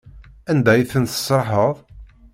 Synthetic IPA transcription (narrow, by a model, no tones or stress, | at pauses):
ænd̪æjθənθə̥səɾħəðˤ